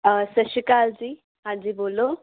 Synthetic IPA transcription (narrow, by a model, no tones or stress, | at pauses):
əsəʃikaːld͡ʑiː | ɦãɲd͡ʑiːboːlːo